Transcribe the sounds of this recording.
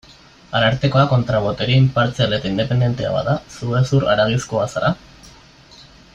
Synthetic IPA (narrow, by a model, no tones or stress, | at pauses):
aɾaɾt̪eko̞ako̞nt̪ɾaβot̪eɾimpaɾt͡siale̞t̪aind̪e̞pe̞nd̪je̞nt̪e̞a̰βa̰ðasuesuɾa̰ɾaɣiskoasaɾa